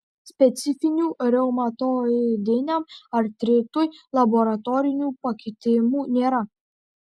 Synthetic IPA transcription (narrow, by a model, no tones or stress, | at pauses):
sʲpʲɛt̪sʲɪfʲɪnʲuːɾʲɛʊmɐt̪od̪ʲɪnʲɛmɐɾt̪ʲɾʲɪt̪uːjlˠɐbɔɾɐt̪ɔɾʲɪnʲuːpɐkʲɪt̪ʲɪmuːnʲeːɾɐ